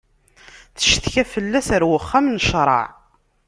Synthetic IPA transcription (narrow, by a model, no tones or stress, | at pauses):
θə̥ʃθçæfəlːæsəɾwəχːamnəʃɾˤɑ̰ʕ